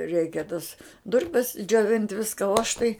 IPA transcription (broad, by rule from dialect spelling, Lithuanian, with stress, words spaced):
ˈrʲɛɪkʲɛ tɐs ˈdʊrʲpʲɛs d͡ʒʲoːˈʋʲɪnʲtʲ ˈʋʲɪskɐ oː ɐʃ tɐɪ